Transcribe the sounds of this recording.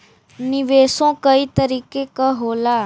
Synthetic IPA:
nɪʋeːsõːkəiːt̪əɾiːkekəɦoːlaː

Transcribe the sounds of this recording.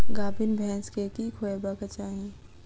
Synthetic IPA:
ɡaːbʱɪnbʱɛ̃ːskekikʰoːebakɐt͡ʃaːɦĩː

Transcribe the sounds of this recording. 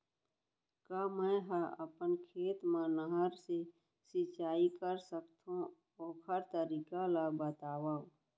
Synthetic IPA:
kaːmɛ̃ːɦəə̰pənkʰeːt̪mãnəɦəɾse | sɪt͡ʃaːikəɾsəkt̪ʰõ | ɔːkʰəɾt̪əɾiːkalaɡbət̪aːwaːũ

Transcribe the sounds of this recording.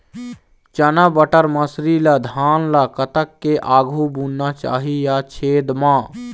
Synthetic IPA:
t͡ʃənabəʈəɾməsɾilad̪ʱaːnlakət̪əkːeʔaːɡʱubuːnːat͡ʃa̰ːɦijat͡ʃʰeːd̪mãː

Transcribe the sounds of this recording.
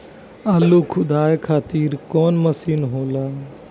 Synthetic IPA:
alokʰʊd̪aːjkʰaːt̪iːɾkɔːnmɐsiːnɦoːlaː

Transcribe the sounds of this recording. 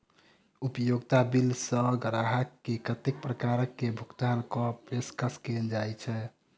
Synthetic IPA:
upəjoɡt̪abilsə̃ɡəɾaɦəkːekət̪ek̚pɾəkaɾəkːebʱukt̪ankɔeskəskend͡ʒajt͡ʃʰɛ

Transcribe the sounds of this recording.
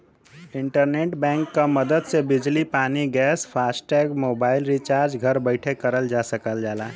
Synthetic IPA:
iɳʈəɾneʈbɛ̃ŋkːəməd̪əd̪sebid͡ʒlipaniɡɛspʰasʈɛɡmobailɾit͡ʃaɾd͡ʒɡʱəɾbəɪʈʰekːəɾəld͡ʒasəkəld͡ʒala̰

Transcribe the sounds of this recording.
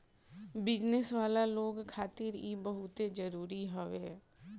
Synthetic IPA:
bɪd͡ʒnəsʋaːlaloːɡkʰaːt̪ɪɾibəɦʊt̪ed͡ʒəɾuːɾiɦoʋeː

